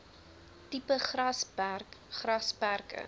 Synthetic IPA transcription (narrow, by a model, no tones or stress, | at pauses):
tipəχrɐspærkχrɐspærkə̰